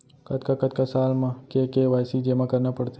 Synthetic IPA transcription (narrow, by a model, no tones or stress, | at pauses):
kɐt̪kakɐt̪̚kasaːlmãkekeʋaːjsid͡ʒemãkɐɾnapɐɽt̪e